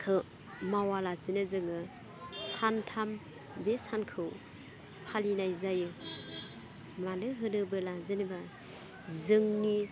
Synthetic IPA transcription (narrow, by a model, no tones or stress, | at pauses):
kʰɯ | mawalasinɯzɯŋɯ | santʰam | besankʰɯw | pʰalinajzajɯ | mlanɯɦɯdɯbɯlazɯniba | zɯŋni